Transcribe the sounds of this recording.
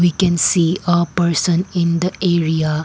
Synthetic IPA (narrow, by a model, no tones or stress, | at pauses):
wikɛ̃nsiəpəɾsə̃nɪ̃nd̪əʔeɾia